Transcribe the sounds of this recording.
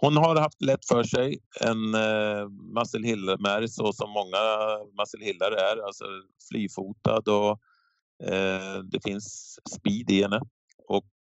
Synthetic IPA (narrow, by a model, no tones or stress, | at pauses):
hʊnɦaɾhaft̪lɛt̪ːfœʂɛjɛ̰n | masəlhɪlːamæɾsɔsɔmːɔŋːamasəlhɪlːaɾəæɾalsɔ̰ | flʔyːfuːt̪a̰d̪ɔ | d̪ɛfɪnsːpiːd̪ɪhɛnːə | ɔk̚